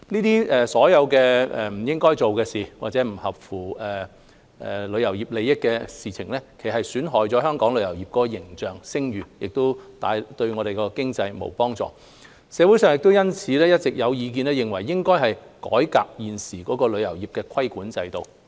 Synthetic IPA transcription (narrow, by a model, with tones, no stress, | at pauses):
niː˥t̪iː˥ʔɛː˨˧sɔː˨˥jɐ˨˧wkɛː˧ɛ˨m̩˨˩jɪ˥ŋkɔː˥jt͡so˨wkɛː˧siː˨waː˨t̚t͡sɛː˨˥m̩˨˩hɐ˨p̚fuː˨˩ɛː˨˩ | ʔlɵ˨˧ɥjɐ˨˩wjiː˨˩p̚le˨˧jɪ˥kːɛː˧siː˨t͡sʰɪ˨˩ŋlɛː˥kʰe˨˩ɦɐ˨jsyː˨˥nɦɔː˨˩jt͡sɔː˨˧˥ɦœː˥ŋkɔː˨˥ŋlɵ˨˧ɥjɐ˨˩wjiː˨˩p̚kɔː˨˥kɔ˧jɪ˨˩ŋt͡ʃœː˨ŋsɪ˥ŋjyː˨˩jɪ˨k̚t̪o˥wt̪aː˨˧jt̪ɵ˧ɥŋɔː˨˧ɾe˨jkɔː˧kɪ˥ŋt͡sɐ˧jmo̰˨˩wpɔː˥ŋt͡sɔ̰ː˨˩ | sɛː˨˧wu˨˥jsœ˨ŋjɪ˨k̚t̪o˥wjɐ˥nt͡sʰiː˨˧lɛː˥jɐ˥t̚t͡sɪ˨k̚jɐ˨˧wjiː˨˧k̬iː˧nlɛː˥jɪ˨ŋwɐ˨˩jːɪ˥ŋkɔː˥jɦɐ˨jkɔ̰ː˨˥jka̰ː˧k̚jiː˨nsiː˨˩kɔː˨˥kɔː˧lɵ˨˧ɥjɐ˨˩wjiː˨˩p̚kɛː˧kʰɐ˥jkuː˨˥nt͡sɐ˧jt̪o˨w